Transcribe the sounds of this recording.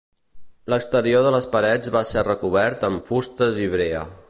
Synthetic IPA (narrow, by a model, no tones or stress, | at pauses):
ləkst̪əɾioðələspəɾɛd͡zβasɛrəkuβ̞ɛɾt̪əɱfust̪əziβɾeə̰